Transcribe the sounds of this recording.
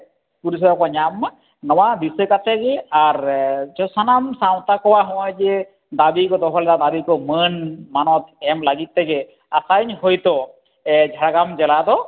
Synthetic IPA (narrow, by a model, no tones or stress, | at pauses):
puɾis̬ɔjɔkaɲamːa | nɔwad̪isɯkat̪ʰɛɡeaɾd͡ʒɔsanamsaw̃t̪akɔwaɦɔwɔjd͡ʒe | d̪abikɔt̪ɔɦɔlɛt̪ad̪abikɔmənmanɔt̪ɛmlaɡit̪̚ːɛɡe | asajɲɦojt̪ɔ | ɛd͡ʒʱaɽaɡamd͡ʒɛlat̪ɔ